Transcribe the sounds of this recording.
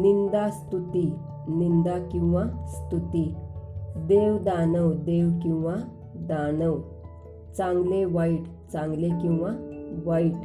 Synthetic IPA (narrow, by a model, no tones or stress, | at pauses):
nind̪ast̪ut̪i | nind̪akĩw̃ʋast̪ut̪i | d̪ewd̪anəwd̪eʋkĩw̃ʋa | d̪anəw | t͡sãŋɡleʋaiɽ | t͡sãŋɡlekĩw̃ʋaʋaiʈ